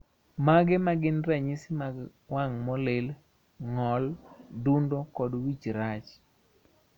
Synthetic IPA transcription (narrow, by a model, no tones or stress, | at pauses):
maɡɛmaɡɪnrɛɲɪsɪmaɡ | waŋmɔlel | ŋɔldundokɔdwit͡ʃɾat͡ʃ